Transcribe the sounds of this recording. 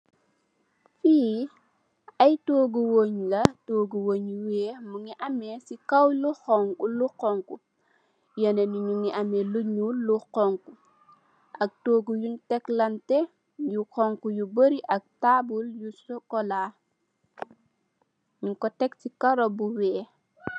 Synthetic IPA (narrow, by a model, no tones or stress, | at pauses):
fiː | ɐjtoːɡuwoɲlɐtoːɡuwoːɲuweːmuŋiʔɐmːesikɐwluxɔŋkuluqɔŋku | jɐnenuɲuŋiʔɐmeluɲuːuqɔŋku | ʔɐk̚toːɡujuntɛklɐntɛ | juxɔŋkujubəɾiʔɐk̚tabuljusɔkɔlaː | ɲuŋkɔtɛk̚tikaɾɔbuwɛː